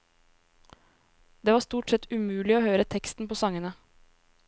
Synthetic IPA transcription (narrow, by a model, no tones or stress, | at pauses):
d̪̥eːʋɑːst̪uːʈsɛt̪ʰʉmʉːlɪoːhøːɾət̪ʰɛkst̪n̩poːsɑŋənə